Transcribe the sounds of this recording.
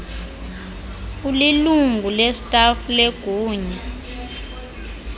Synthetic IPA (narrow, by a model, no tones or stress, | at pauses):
uliluŋɡʱulɛsi̥tʼafuleɡ̥ʱuːɲɛ